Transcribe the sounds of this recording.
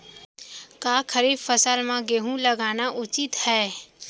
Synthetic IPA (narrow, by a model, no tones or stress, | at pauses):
kaːkʰəɾiːbfəsəlmãɡeɦũləɡaːnaʔʊt͡ʃit̪hɛː